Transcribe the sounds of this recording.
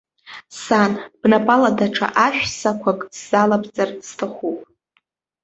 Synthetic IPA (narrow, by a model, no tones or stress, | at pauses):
sanb̥napʼaladaʈ͡ʂʰa̰ʔaʃᶣsakʷʰakʼsːalabt͡sʼarstʰaχʷupʼ